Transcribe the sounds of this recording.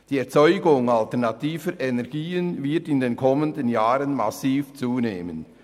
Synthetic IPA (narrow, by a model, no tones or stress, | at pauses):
d̥iːɛɐt͡sɔʏɡʊŋaltɛʁnatiːvəɾʔɛnɛʁɡiːənvɪɐtɪndeːnkʰɔməndənjaːʁənmasiːft͡suːneːmən